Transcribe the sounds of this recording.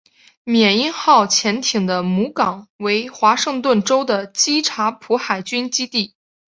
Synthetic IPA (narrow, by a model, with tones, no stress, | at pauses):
mjɛ˨˩ni˥˧nxɑ˥˩ʊt͡ɕʰjɛ˧˥nt̪ʰi˨˩ŋd̪ə˦mu˧˥kɑ˨˩˦ŋwe˧˥ɪxwa˧˥ʂɤ˥˧ŋt̪wə˥˩nʈ͡ʂo˥ʊd̪ə˨t͡ɕi˥ʈ͡ʂʰa˧˥pʰu˧˥xa˨˩ɪt͡ɕy˥nt͡ɕi˥t̪i˥˩